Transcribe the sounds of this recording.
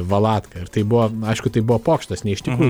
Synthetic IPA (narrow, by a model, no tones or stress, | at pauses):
ʋɐlˠɑːt̪kɐɪɾt̪ɐɪbʊʋɔɐɪʃkʊt̪ɐɪbʊʋɔpoːkʃʲt̪ɐsnʲɛɪʃt̪ʲɪkɾuːj